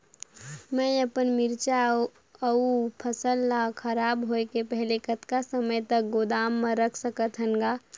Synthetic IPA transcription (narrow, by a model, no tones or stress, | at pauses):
mɛ̃əpənmɪɾt͡ʃa | əupʰəsəlːakʰəɾaːbɦoekepɛɦlekət̪kasəməjt̪ək̚ɡod̪aːmːə̃ɾəkʰsəkət̪ʰɦəŋɡaː